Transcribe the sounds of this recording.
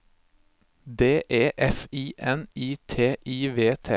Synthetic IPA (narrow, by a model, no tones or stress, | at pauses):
d̪eːʔeːʔɛfiːʔɛniːt̪ʰeːʔiːʋeːt̪ʰḛː